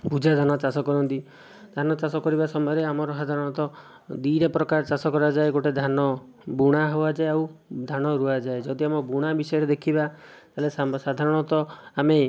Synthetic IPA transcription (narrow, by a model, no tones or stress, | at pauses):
pud͡ʒad̪ʱanɔt͡ʃasɔkɔɾɔnt̪i | d̪ʱanɔt͡ʃasɔkɔɾibasɔmɔjɔɾeamɔɾɔsad̪ʱaɾɔɽ̃ɔt̪ɔ | d̪iɾepɾɔkaɾt͡ʃasɔkɔɾad͡ʒaeɡoʈed̪ʱanɔ | buɽ̃aɦoad͡ʒaeawd̪ʱañɔɾuad͡ʒaed͡ʒɔd̪iamɔbuɽ̃abisɔjɔɾed̪ekʰibat̪aɦlessad̪ʱaɾɔɽ̃ɔt̪ɔame